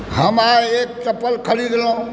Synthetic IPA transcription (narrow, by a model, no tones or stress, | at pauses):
həmaek̚ʈəpːəlkʰəliɡelõ